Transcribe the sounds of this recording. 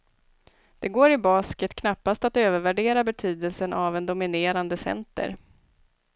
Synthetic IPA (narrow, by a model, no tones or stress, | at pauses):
d̪̥ɛɡoːɾɪbɑːskət̪kʰnapːast̪at̪øːvəɾvæɖeːɾabɛt̪ʰyːd̪əlsənʔavɛnd̪ʊmɪneːɾand̪əsɛ̰nt̪ə̰ɾ